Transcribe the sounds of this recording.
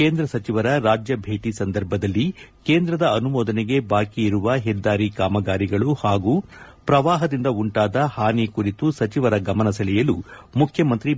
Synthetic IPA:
keːnd̪ɾɐsɐt͡ʃiʋɐɾɐɾaːd͡ʒjɐbʱe̞ːʈisɐnd̪ɐɾbʱɐd̪ɐlːikeːnd̪ɾɐd̪ɐːnumɔːd̪ɐneɡe̞baːkiːɾuʋɐɦɛd̪aːɾikaːmɐɡaːɾiɡɐɭuhaːɡuː | pɾɐʋaːɦɐd̪ind̪ɐuɳʈaːd̪ɐhaːnikuɾit̪usɐt͡ʃiʋɐɾɐɡɐmɐnɐsɐlɛjɐlumukʰjɐmɐnt̪ɾi

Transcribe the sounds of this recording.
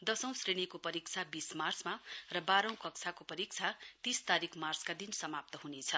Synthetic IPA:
d̪ʌsʌ̃w̃sreɽ̃ikopʌɾik̚t͡sʰabismart͡smarʌbaɾʌ̃w̃kʌksʰakopʌɾik̚t͡sʰat̪ist̪aɾikʰmart͡skad̪insʌmap̚t̪ʌɦunet͡sʰʌ

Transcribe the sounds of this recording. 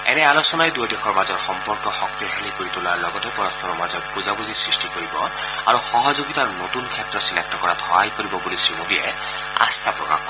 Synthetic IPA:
ɛ̰nɛalosɔnajdujɔdekʰɔɹmazɔɹxɔmpɔɹkɔxɔk̚t̪ixelikoɹit̪ulaɹlɔɡɔtɛpɔɾɔstʰɔnɔmazɔtpuzabuzisɹisʈikoɹibɔ | a̰ɹuxɔɦɔzoɡit̪aɹnot̪unkʰɛtɹɔsilak̚tɔkɔɹad̪ʰʱɔajkoɹibɔbulisɹimodiɛ | a̰st̪ʰapɹɔka̰x

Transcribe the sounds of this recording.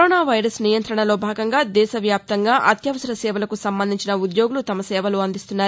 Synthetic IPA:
oːnaːʋɐjɾɐsnijɐnt̪ɾɐɳɐlo̞ːbʱaːɡɐŋɡaːd̪ɛːʃɐʋjaːp̚t̪ɐŋɡaːʔɐt̪jɐʋɐsɐɾɐsɛːʋɐlɐkusɐmbɐnd̪iɲt͡ʃinɐud̪jo̞ːɡulut̪ɐmɐsɛːʋɐloːɐnd̪ist̪unːaːɾu

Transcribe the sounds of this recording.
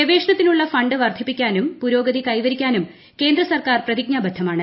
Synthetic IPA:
ɐʋe̞ːʂɐɳɐt̪ːinuɭːɐfɐɳɖɨʋɐrd̪ʰʱipːikʲːaːnumpuɾo̞ːɡɐðikɐjʋɐɾikʲːaːnum | ke̞ːnd̪rɐsɐrkaːrprɐðiɡ̚ɲaːbɐd̪ʱɐmaːɳɨ

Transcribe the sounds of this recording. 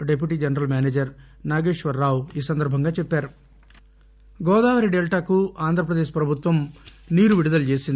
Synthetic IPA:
ɖep̬juʈiːd͡ʒɐnɐɾɐlmʲjaːneːd͡ʒɐɾ | naːɡeːʂʋɐɾːaːwiːsɐnd̪ɐɾbʱɐŋɡaːt͡ʃɛpːaːɾu | ɡɔːd̪aːʋɐɾiɖelʈaːkuaːnd̪ʱɾɐpɾɐd̪eːʃpɾɐbʱut̪ʋɐm | niːɾuʋiɽud̪ɐlut͡ʃe̞ːsind̪i

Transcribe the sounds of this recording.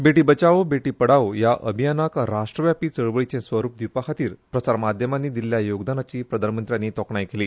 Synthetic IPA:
beʈiːbət͡ɕaʋəbeʈiːpəɽaʋjaʔə̰bʱijanakɾaʂʈɾəʋjapiːt͡səɭʋəɭit͡ɕẽsʋəɾuːp̚d̪ipakʰat̪iːɾpɾəsaɾmad̪ʱjəmanːiːd̪illjajoɡd̪anat͡ɕiːpɾəd̪ʱanmənt̪ɾjanːiːt̪ɔkɳajkeliː

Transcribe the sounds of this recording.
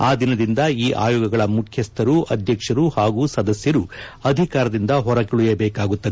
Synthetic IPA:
aːd̪inɐd̪ind̪ɐiːʔa̰ːjɔːɡɐɡɐɭɐmukʰjɐst̪ʰɐɾuʔɐd̪ʱjɐkʂɐɾuhaːɡuːsɐd̪ɐsjɐɾuɐd̪ʱikaːɾɐd̪ind̪ɐɦɔɾɐkiɭujɐbɛːkaːɡut̪ːɐ

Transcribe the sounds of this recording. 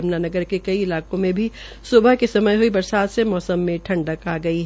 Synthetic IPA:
mnanɐɡəɾkekɐiɪlaːkõmẽbʱi | sʊbəɦkesɐməjɦoibɐɾsaːt̪semɔːsəmːẽʈʰɐ̃ɳɖəkaːɡɐiɦ

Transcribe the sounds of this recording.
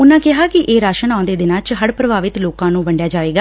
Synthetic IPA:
ʊnãːkɪɦaːkɪʔeːɾaːʃənãːnd̪eːd̪ɪnãːt͡ʃɦəɽpɾəbaːʋɪt̪loːkãːnũːʋəɳɖjaːd͡ʒaːʋeːɡaː

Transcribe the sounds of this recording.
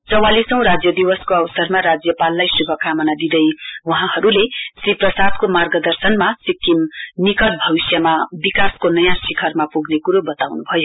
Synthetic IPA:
t͡sʌwalisʌw̃ɾad͡zjʌd̪iwʌskoʌwsʌrmaɾad͡zjʌpalːajsuɡʱʌkʰamʌnad̪id̪ʌjwʌɦãhʌɾulesriprʌsad̪komarɡʌd̪ʌrsʌnmasikːimnikʌʈbʱʌbisjʌmabikaskonʌjãsikʰʌrmapuɡnekuɾobʌt̪awnubʱʌjo

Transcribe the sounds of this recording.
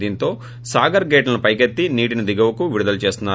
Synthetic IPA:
d̪iːnt̪o̞ː | saːɡɐɾɡeːʈlɐnupɐjkɐt̪ːiniːʈinɐd̪iɡɐʋɐkuʋiɽud̪ɐlt͡ʃe̞ːst̪unːaː

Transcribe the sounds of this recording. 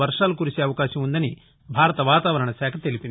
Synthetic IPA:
ɐɾʂaːlukuɾiseːɐʋɐkaːʃɐmund̪ɐni | bʱaːɾɐt̪ɐʋaːt̪aːʋɐɾɐɳɐʃɛːkʰɐt̪elipin

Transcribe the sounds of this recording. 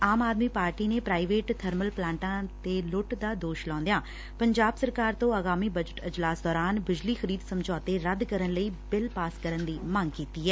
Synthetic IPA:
aːmaːd̪miːpaːɾʈiːneːpɾaːiʋeːʈt̪ʰəɾməlplãːɳʈãːt̪eːlʊʈd̪aːd̪oːʃlɔ̃ːnd̪ejãː | pəɲd͡ʒaːbsəɾkaːɾt̪õːəɣaːmiːbəd͡ʒəʈɪd͡ʒlaːsd̪ɔːɾaːnbɪd͡ʒliːxəɾiːd̪səmd͡ʒɔːt̪eːɾəd̪kəɾənləiːbɪlpaːskəɾənd̪iːmãŋɡkiːt̪iːɦɛː

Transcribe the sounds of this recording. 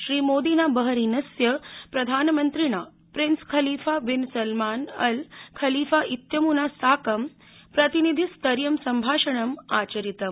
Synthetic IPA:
ʃɾiːmoːd̪iːnabəɦɐɾiːnɐsjɐpɾɐd̪ʱaːnmənt̪ɾiɳa | pɾinskʰɐliːfaʋinsɐlmaːnɐlkʰɐliːfaʔit̪jɐmunasaːkɐm | pɾɐt̪inid̪ʱist̪ɐɾjɐmsɐmbʱaːʂɐɳɐmaːt͡ɕɐɾit̪ɐm

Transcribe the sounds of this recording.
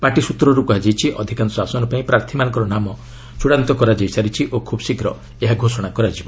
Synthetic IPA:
paʈisut̪ɾɔɾukɔɦad͡ʒajt͡ʃʰiʔɔd̪ʱikanɔsasɔnɔpaĩpɾaɾt̪ʰimanɔ̃ŋkɔɾɔnamɔ | t͡ʃuɽant̪ɔkɔɾad͡ʒajsaɾit͡ʃʰiʔokʰubɔsikɾɔ | eɦaɡʱosɔɽ̃akɔɾad͡ʒibɔ

